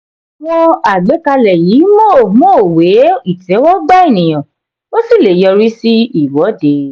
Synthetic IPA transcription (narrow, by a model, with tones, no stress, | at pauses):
wɔ̃˧a˨ɡ͡be˨˦ka˧lɛ˨jiː˨˦mo˦˨moː˦˨we˨˦i˦˨tɛ˨˦wɔ˦ɡ͡ba˦i˦˨nĩ˨j̃ã˨ | wo˦si˦˨le˨jɔ˧ɾi˦si˦i˨wɔ˨˦de˨˦